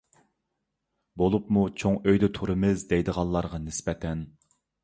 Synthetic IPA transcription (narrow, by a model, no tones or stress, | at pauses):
bolˠupmut͡ʃʰoŋøjd̪ɛt̪ʰuɾɨmɪzd̪ejd̪əʁɑlˠlːˠɑɾʁɑnɪsbɛt̪ʰɛn